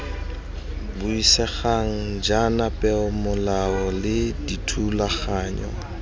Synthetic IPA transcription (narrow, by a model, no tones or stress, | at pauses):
bʊisɛχaŋ̩d͡ʒanapʼɛʊmʊlaɔlɪditʰulaχaːɲɔ̰